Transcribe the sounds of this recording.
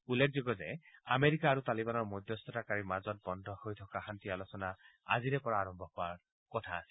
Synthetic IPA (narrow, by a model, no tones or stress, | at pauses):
ulːek̚ʰzoɡɔzɛameɹikaːɹutalibanɔɹmɔjdʱjɔstɔtakaɹimazɔt̚bɔndʱɔhojtʰɔkaxantialosɔnaa̰ziɹɛpɔɹaːɹɔmbʱɔkɔaɹ | kɔtʰaːsɛ̥